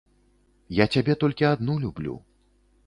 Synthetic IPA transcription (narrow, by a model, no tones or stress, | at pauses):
jat͡sʲabʲɛt̪ɔlʲkʲiad̪nulʲublʲṵ